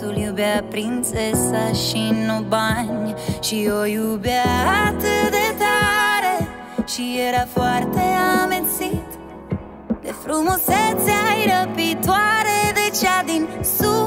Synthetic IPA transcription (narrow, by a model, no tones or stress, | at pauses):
t̪uljubapɾinsesaʃinobaɲɐʃiojubaat̪ed̪et̪aɾe | ʃieɾɐfaɾt̪eamensit̪ | d̪efɾumosɛsajɾɐpit̪waɾeðet͡ʃad̪insu